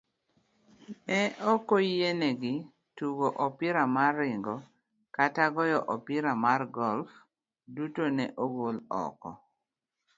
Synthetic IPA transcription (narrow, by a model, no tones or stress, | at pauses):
ɛʔɔkojenɛɡɪ | tuɡoʔɔpiɾamarːɪŋɡɔ | kataɡɔjɔʔɔpiɾamarɡɔlf | dutonɛʔoɡolɔ̰kɔ̰